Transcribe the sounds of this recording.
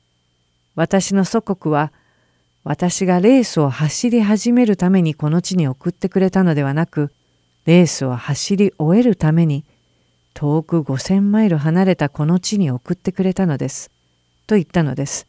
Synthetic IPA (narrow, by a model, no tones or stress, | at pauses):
βat̪aɕino̞so̞ko̞kɯ̟βa | βat̪aɕiɡaɾe̞ːsɨo̞haɕiɾʲiɦaʑime̞ɾɯ̟t̪ame̞ɲ̟iko̞no̞t͡ɕiɲ̟io̞kɯ̟t̪ːe̞kɯ̟ɾe̞t̪ano̞d̪e̞βanakɯ̟ | ɾe̞ːsɨohaɕiɾʲiʔo̞e̞ɾɯ̟t̪ame̞ɲ̟i | t̪ʰo̞ːkɯ̟ɡo̞sẽ̞mːaiɾɯ̟ɦanaɾe̞t̪ako̞no̞t͡ɕiɲ̟io̞kɯ̟t̪ːe̞kɯ̟ɾe̞t̪ano̞d̪e̞sɨ̥ | t̪o̞it̪ːano̞d̪e̞sɨ̥